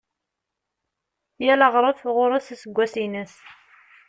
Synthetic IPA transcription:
jælɑʁɾˤəθʁʊɾˤasæsəɡʷːæsinæs

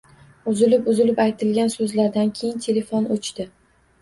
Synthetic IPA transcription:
ʊzɪlɪpʊzɪlɪpajt̪ʰɪlɡʲansɵzlaɾd̪ankʲʰe̞jɪnt̪ʰe̞le̞fonot͡ʃt̪ɪ

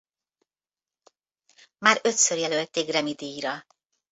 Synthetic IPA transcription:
maːɾø̞t̪sørjɛlølt̪ːeːɡrɛmid̪ijɾɒ

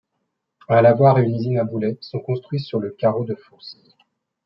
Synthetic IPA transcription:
alavwaʁeynizinabulɛsɔ̃kɔ̃st̪χɥisyʁləkaʁod̪əfos

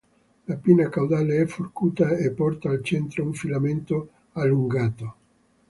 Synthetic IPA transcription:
lapiːnakawd̪aleɛforkuːt̪aepːɔrt̪aːlt͡ʃɛnt̪ɾouɱfilament̪o | alːuŋɡaːt̪o

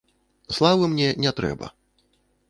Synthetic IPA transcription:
slˠavɨmnʲɛnʲɛt̪ɾɛ̰bɐ̰

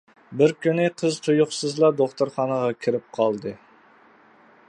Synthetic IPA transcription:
bɪɾkʲynɪqʰəzt̪ʰujʊχsɨzlˠɑd̪oχt̪ʰoɾχɑnəʁɑkʲʰɪɾɪp̚qʰɑlˠd̪ɨ

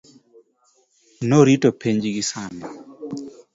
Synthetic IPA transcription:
noɾitopʰeɲd͡ʒiɡisanɛ

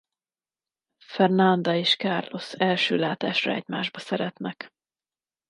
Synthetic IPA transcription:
fɛrnɒnd̪ɒeːʃkaːrlo̞sɛlʃø̰ːlaːt̪aːʃrɒ̰ɛ̰ɟmaːʒbɒsɛɾɛt̪nɛk

